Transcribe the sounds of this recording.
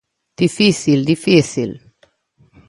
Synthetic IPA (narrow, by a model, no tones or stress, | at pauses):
d̪̥ifisild̪ifisḭl